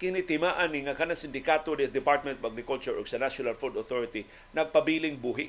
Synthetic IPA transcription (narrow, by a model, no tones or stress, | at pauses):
kɪnit̪ɪmaʔanɪŋɐkɐnasɪnd̪ɪkaːt̪od̪ɛsd̪ɪpaɹt̪̚mɛ̃nt̪ɔvaɡɾɪkult͡ʃʊɹʔoɡsɐnaʃjʊnalfuld̪oθoɹɪt̪i | nɐɡ̚pɐbiːlɪŋbuːɦɪ